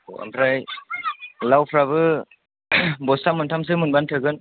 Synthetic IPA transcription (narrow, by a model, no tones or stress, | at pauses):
o̰a̰mpʰɾaj | lawpʰɾabɯ | bɔstamuntʰams̬ɯmunbantʰɯɡɯn